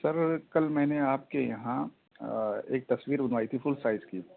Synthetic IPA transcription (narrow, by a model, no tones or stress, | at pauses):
sɐɾkɐlmɛ̃ːneaːp̚kejɐɦã | ḛːk̚t̪ɐsʋiːɾbɐnʋaːit̪ʰifʊlsaːɪzkiː